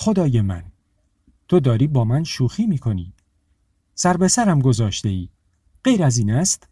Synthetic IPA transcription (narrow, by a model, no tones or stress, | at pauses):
xo̞d̪ɒːjemæ̰n | t̪ʰo̞d̪ɒːɾiːbɒːmænʃuːxiːmiːkʰo̞niː | sæɾbe̞sæɾæmɡo̞zɒːʃt̪e̞iː | ɢ̥e̞jɾæziːnæst̪